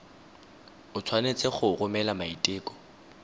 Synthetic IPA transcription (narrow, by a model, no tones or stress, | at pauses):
ʊt͡sʰwanet͡sʼeχʊrʊmɛlamaitʼeːkʼɔ̥